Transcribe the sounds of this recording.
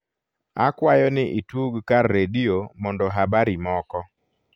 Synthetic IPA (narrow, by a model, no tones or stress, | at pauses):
a̰kwajɔnɪʔituɡkarːediomɔndɔɦabaɾimɔkɔ